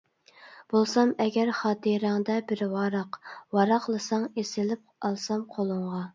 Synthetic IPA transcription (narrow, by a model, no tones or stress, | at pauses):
b̥olˠsɑmɛɡʲɛɾχɑːt̪ʰɨɾɪŋd̪ɛbɪɾwɑɾɑqwɑɾɑqlˠɨsɑŋesɪlɪp̚ɑlˠsɑmqʰolˠʊɴʁɑ